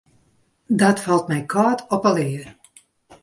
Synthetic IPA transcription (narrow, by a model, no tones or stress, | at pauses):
dɔtfɑlˠtmɛjkʰɔːtʰɔpəlˠɪər